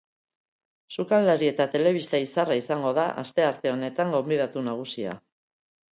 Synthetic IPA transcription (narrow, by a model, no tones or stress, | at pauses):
sukalaɾie̞t̪at̪e̞le̞β̞ist̪aisaraisaŋɡo̞ðaʔa̰st̪e̞aɾt̪e̞o̞ne̞t̪aŋɡo̞mbiðat̪unaɣ̞usia̰